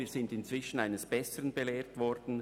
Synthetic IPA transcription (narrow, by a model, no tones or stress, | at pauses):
iːz̥ɪndɪnt͡sv̥ɪʃən̩aɪnəsb̥ɛsəʁənbeleːtvɔɾd̥n̩